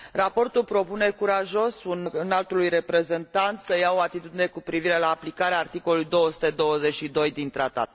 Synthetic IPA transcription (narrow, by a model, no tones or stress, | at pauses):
rapo̞rt̪ulpɾo̞pune̞kuɾaʒo̞sunnalt̪ulujre̞pɾe̞ze̞nt̪ant̪səjao̞at̪it̪ud̪ine̞kupɾiviɾe̞laːplikaɾeaːrt̪iko̞lulujd̪o̞wəsu̥t̪e̞d̪o̞wəze̞t͡ʃʃid̪o̞jd̪int̪ɾat̪a̰t̪